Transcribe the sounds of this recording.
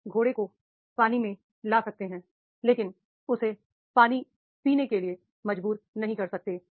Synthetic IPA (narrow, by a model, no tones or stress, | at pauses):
ɡʱoːɽeko | paːnimẽ | laːsɐk̚t̪eɦɛ̃ː | leːkɪn | ʊse | paːni | piːnekelie | mɐd͡ʒbuːɾnɐɦĩkɐɾsɐk̚t̪eː